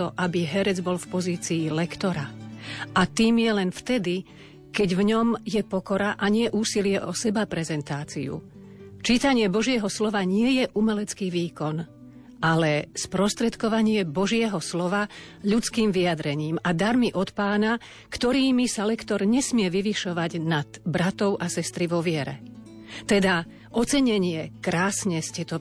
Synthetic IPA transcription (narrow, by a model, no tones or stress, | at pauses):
ɔʔabiɦɛɾɛd͡zbɔlfpɔziːt͡siːlɛkt̪ɔɾaʔat̪iːmjɛlɛnft̪ɛd̪i | kɛɟvɲɔmjɛpɔkɔɾaʔaɲɪɛʔuːsilɪɛʔɔsɛbapɾɛzɛnt̪aːt͡sḭṵ | t͡ʃiːt̪aɲɪɛbɔʒɪɛɦɔslɔʋaɲɪɛjɛʔumɛlɛt͡skiːʋiːkɔn | ʔalɛspɾɔst̪ɾɛt̪kɔʋaɲɪɛbɔʒɪɛɦɔslɔʋa | ʎut͡skiːmʋiad̪ɾɛɲiːmad̪aɾmiʔɔt̪paːna | kt̪ɔɾiːmisalɛkt̪ɔɾɲɛsmɪɛʋiʋiʃɔʋaɟnad̪̥bɾat̪ɔʊʔasɛst̪ɾiʋɔʋɪɛɾɛ̰ | t̪ɛd̪a | ʔɔt͡sɛɲɛɲɪɛkɾaːsɲɛscɛt̪ɔ